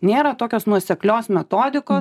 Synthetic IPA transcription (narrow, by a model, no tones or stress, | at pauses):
nʲeːɾɐt̪oːkʲoːsnuɔsʲɛklʲoːsmʲɛt̪oːd̪ʲɪkoː